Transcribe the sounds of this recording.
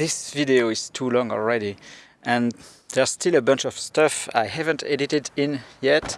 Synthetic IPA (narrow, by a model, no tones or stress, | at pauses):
ðɪsvideoiz̥tʰulɔ̃ŋɔ̰lˠɹɛɾi | ʔɨ̃n | ðɛ˞stʰɪləbʌ̃nt͡ʃɔv̥stʌfa̰jhævə̃ntʰɛditɪdɪ̃njɛt